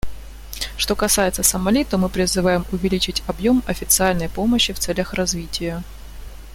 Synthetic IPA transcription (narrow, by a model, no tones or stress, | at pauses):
ʂt̪o̞kɐsajɪt̪səsəmɐlʲit̪omɨpɾʲɪzɨvajɪmʊvʲɪlʲit͡ɕɪtʲɐbjo̞mɐfʲɪt̪sɨalʲnəjpo̞məɕːɪft̪sɛlʲəxrɐzvʲitʲɪjə